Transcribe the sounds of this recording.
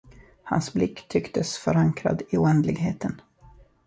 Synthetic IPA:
ha̰nsblɪkːt̪ʰʏkt̪ʰəsfœɾaŋkʰɾa̰d̪ɪʊɛnd̪lɪɡɦeːt̪ən

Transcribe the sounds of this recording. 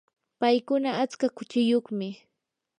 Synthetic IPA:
pajkʊnaːt͡skakʊt͡ʃɪjoχmɪ

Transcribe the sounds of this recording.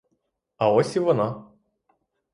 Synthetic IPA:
ɐɔsʲiʋɔnɑ

